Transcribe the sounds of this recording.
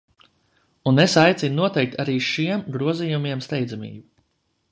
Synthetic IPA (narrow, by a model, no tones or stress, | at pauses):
unesajt̪sinnuɔt̪ɛjk̚t̪ʰaɾiːʃiɛmɡɾuɔzijumiɛmst̪ɛjd̪zamḭːbu